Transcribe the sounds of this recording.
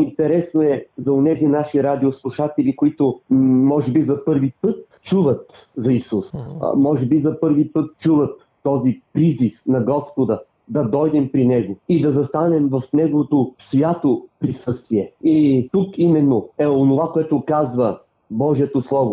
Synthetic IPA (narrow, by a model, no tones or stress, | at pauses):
int̪ɛɾɛsnoɛzɐonɛzinaʃiɾad̪ioslˠuʃat̪ɛlʲikoit̪omɔʒɛbizɐpɤɾvipɤt̪̚ | t͡ʃuvɐt̪ | zɐisusmɔʒɛbizɐpɤɾvipɤt̪̚t͡ʃuvɐt̪ːɔzipɾizifnɐɡɔspod̪ɐ | d̪ɐd̪ɔjd̪ɛmpɾinɛɡoid̪ɐzɐst̪anɛmvɐfnɛɡovot̪osvʲjat̪opɾisɤst̪viɛit̪ukimɛnːoɛonovakoɛt̪ʊkazvɐ | bɔʒiɛt̪oslˠɔvo